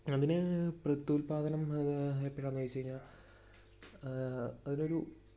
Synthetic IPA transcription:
ɐðinɨprɐt̪ːuːlpaːd̪ɐnɐmepːiʈaːnːʋɐjt͡ɕːejiɲːaːl | ɐðino̞ɾu

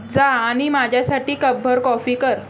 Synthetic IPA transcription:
d͡zaːɽ̃imad͡ʑʱjasaʈiːkəb̚bʱəɾkɔfiːkəɾ

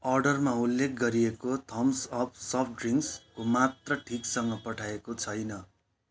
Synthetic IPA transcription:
ʌrɖʌrmaulːek̚ʰɡʌɾiekot̪ʰʌmsʌp̚ʰsʌpʰɖriŋkskomat̪rʌʈʰiksʌŋɡʌpʌʈʰaekot͡sʰʌjnʌ

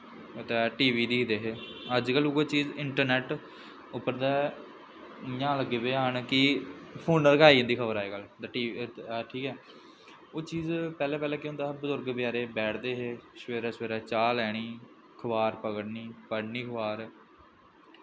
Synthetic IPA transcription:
t̪ɛːʈiːʋiːd̪iːkʰd̪eːɦeːəd͡ʒkəlʊɡeːt͡ʃiːzɪɳʈəɾnɛːʈ | ʊpːəɾd̪ɛː | jãːləɡːeːbeːɦənkɪpʰoːɳnlkaːiːə̃ːnd̪iːkʰəbəɾaːeːɡəld̪ʈiːʈʰiːkɛː | oːt͡ʃiːzpɛːlɛːpɛːlɛːkeːõːnd̪aːɦbəzʊɾɡbjaːɾeːbɛːʈʰd̪eːɦeːʃʋeːɾɛːsʋeːɾɛːt͡ʃaːlɛːɽ̃iː | kʰəbaːɾpəɡəɽniːpəɽniːkʰʋaːɾ

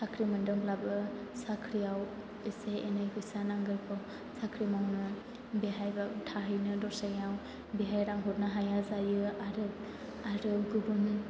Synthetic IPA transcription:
sakʰɾimɯndɯŋlabɯsakʰɾiaw | iseenajɡʰɯsanaŋɡɯjpʰɔ | sakʰɾimawnɯ | biɦajbatʰaɦɯjnɯdɔsajaw | biɦajɾaŋɦut̚naɦajazajɯaɾɯt̪̚ | aɾɯɡɯbun

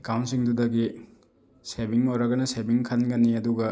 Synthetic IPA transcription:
kawntsiŋdudɐɡi | sebiŋoɾɐɡɐnɐsebiŋkʰɐnɡɐniɐduɡɐ

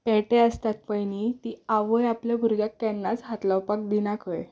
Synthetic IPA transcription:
pɛʈeəst̪at̪̚pəjnit̪iaʋəjaplebʱuɾɡjakːɛnːat͡sɦat̪lawpak̚d̪inakʰəj

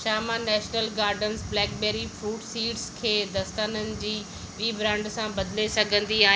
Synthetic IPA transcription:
ʃaːmãnɛːʃnəlɡaːɾɖənsblɛːkbeːɾifɾuːʈsiːʈskʰeːd̪ɐst̪aːnənɪ̆d͡ʑiː | ʋiːbɾãːɳɖsãbɐd̪lesɐɡʱə̃nd̪iaːɦ

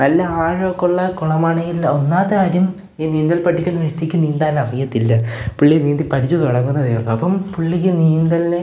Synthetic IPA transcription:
nɐlːɐaːɻokːuɭːɐkuɭɐmaːɳe̞ŋɡilonːaːt̪ːeaːɾjum | iːniːnd̪ɐlpɐʈʰːikʲːunːɐʋeʂt̪ːikʲːɨniːnd̪aːnɐrijɐt̪ːilːɐpuɭːikːniːnd̪ipɐʈʰit͡ɕːut̪oɽɐŋːunːɐðejɐlːɐɐpːɐmpuɭːikʲːɨniːnd̪ɐle

